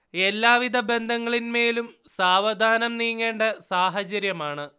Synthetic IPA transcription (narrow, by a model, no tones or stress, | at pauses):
e̞lːaːʋid̪ʱɐbe̞nd̪ʱɐŋːɐɭinme̞ːlum | saːʋɐd̪ʱaːnɐmniːŋːe̞ːɳɖɐsaːɦɐt͡ɕɐɾjɐmaːɳɨ